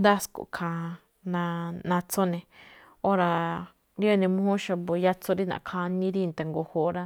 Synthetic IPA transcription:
nd̪a˦sko̰˨kʰã˨˧ | nã˧nã˧t͡so˦nẽ˧ | o˦ɾa˧ | ɾi˦e˦˧nẽ˧mõ˦hõ˦ʃa˧bo˨ja˦t͡so˦ɾi˦nã̰˨kʰã˧nĩ˦ɾi˦˧nt̪e˨ŋɡo˧ho˨ɾa˦

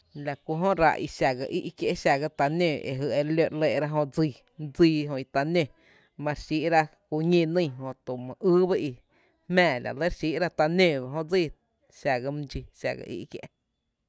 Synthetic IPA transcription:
la˨ku˧˨ɦõ˦ʔɾa̰˧ʔi˧ʃa˨ɡa˧ʔḭ˦ʔkje˧ʔʃa˨ɡa˧t̪a˧nẽː˧˨ʔḛ˨ɦɨ˧˨e˧ɾlo˧ʔle˧˨˧ɾa˦ɦõ˧d͡ziː˧˨ | d͡ziː˧ɦõ˧˨i˧t̪a˧nẽ˧˨ | mã˧ɾʃi˦ʔɾa˦ku˧ɲẽ˧˨nə̃˦˧˨ɦõ˧˨t̪u˨mã˨ʔɨː˦ba˦ʔi˧ | hmɛ̃ː˧˨la̰˨le˦ɾʃiː˦ʔɾa˦t̪a˧nẽ˧˨ba˨ɦõ˦d͡ziː˦˧˨ | ʃa˨ɡa˧m˧d͡ʒi˧ʃa̰˨ɡa̰˧˨ʔḭ˦ʔkjḛ˧ʔ

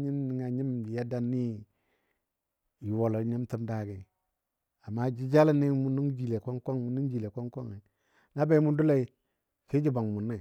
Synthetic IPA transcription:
ɲi˦nːi˨ŋa˨ɲi˦mi˨ja˦da˦nːi˦ | ji˨wo˨lo˨˦ɲi˦mti˦mda˨ɡi˨ | a˨mːa˦d͡ʒi˦d͡ʒa˦la˦ni˦mu˦nu˦ŋd͡ʒi˨le˨ko˦ŋko˦ŋmu˨ni˦ŋd͡ʒi˨le˨ko˦ŋko˦ŋe˨ | na˦ba˦i˦mu˦ndu˦la˦i˦ | ke˦d͡ʒi˦ba˨ŋ˨mu˨nːa˦˨

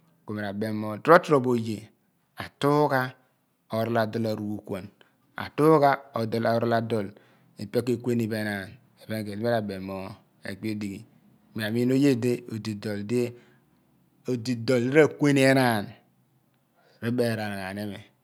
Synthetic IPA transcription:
ko˨me˨ɾa˨be˨mːo˨dɾo˦tɾo˨bo˨je˨ | a˨tu˦ka˦ | o˨ɾa˦la˨do˦lo˨ɾu˨u˦kʷo˨n | a̰˨tu˦ka˦o˨dla˨˦ɾla˨do˨l | i˨pe˦ke˦˨kʷe˦ni˨be˨˦na˨n | e˨be˦ŋ˦ke˨li˦e˦ɾa˨be˨mo˨ | ḛ˨k͡pi˦o˦di˨ɡi˨ | mi˨a˨mi˦no˦je˦de˦o˨di˨do˨lde˦ | o˨di˨do˨li˦ɾa˦˨kʷe˦ni˦e˦na˦˨n | ɾi˦be˨ɾa˨n˨ɣa˨ne˦me˨

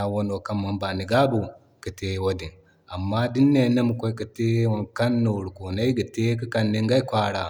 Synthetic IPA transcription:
a˨wo˦no˨ka˦mːa˨nba˨ni˨ɡa˦bu˨ | kə˨te˦wo˦di˨n | a˨mːa˦di˦nːe˨˦nɐ˦mu˨kʷo˦i˦kə˨te˦wa˨nka˦nːo˨ɾu˨ko˨na˦i˦ɡə˨te˦kə˦ka˦nːi˦ŋɡa˦jkʷa˦ɾa˨

